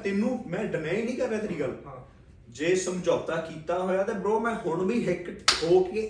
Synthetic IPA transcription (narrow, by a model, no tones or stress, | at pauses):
t̪ɪnũːmɛ̃ːɖənaːɪnĩːkəɾːeːt̪ɾiːɡəl | d͡ʒeːsəmd͡ʒoːt̪aːkiːt̪aːɦoːjaːt̪eːbəɾoːmɛ̃ːɦʊɳbiːɦɪkɦoːkeː